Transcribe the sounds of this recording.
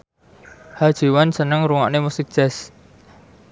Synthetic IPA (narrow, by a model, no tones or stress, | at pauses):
had̥ʒ̥i̤wansənəŋɾuŋɔ̰ʔnemusik̚ʒ̥ɛs